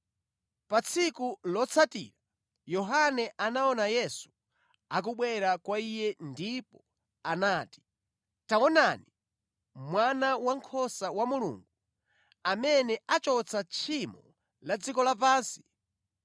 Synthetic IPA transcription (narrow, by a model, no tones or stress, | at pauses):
pat͡sʰikulɔt͡sʰatḭɾa | jɔɦanɛʔanaɔnajɛsu̥ | ak̬uɓwɛɾakwaijɛndipɔ | anaːti̥ | taɔnani | mwanawaŋkʰɔsawamulṵŋɡu | amɛnɛat͡ʃɔt͡sʰat͡ʃʰimɔ̰ | lad͡zikɔlapaːnsi̥